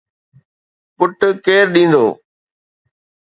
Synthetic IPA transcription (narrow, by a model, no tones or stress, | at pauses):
pʊʈkeːɾɗĩːnd̪oː